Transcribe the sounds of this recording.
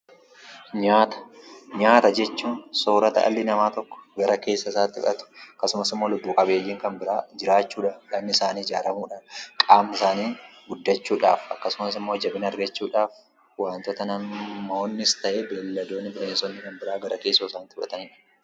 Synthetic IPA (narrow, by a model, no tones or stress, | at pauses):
ɲaːt̪ɐ̥ɲaːt̪ɐd͡ʒɛt͡ʃːuːnsoːɾɐt̪ɐ̰ʔɐ̰lːɪnɐmaːt̪ɔkːɔ̥ɡɐɾɐke̞ːsːɐɪsaːt̪ːɪfɐt̪ʊ̥ɐkːɐsʊmɐsɪmːo̞ːlʊbːuːkʼɐbe̞ːjːɪŋkɐnbɪɾaːd͡ʒɪɾaːt͡ʃːuːᶑɐᶑɐmnːɪsaːniːɪd͡ʒaːɾɐmuːᶑaːnkʼaːmɪsaːniːɡʊd̪ːɐt͡ʃːuːᶑa̰ːfɐkːɐsʊmɐsɪmːoːd͡ʒɐbɪnɐɾɡɐt͡ʃːuːᶑaːf | waːnt̪ɔt̪ɐnɐmmːɐonːɪst̪ɐʔeːbeːlːɐd̪o̞ːnːɪbɪleːnsɔnːɪkɐnbɪɾaːɡɐɾʔɐke̞ːsːoːsaːnt̪ɪfɐ̰t̪ɐnᶑɐ̥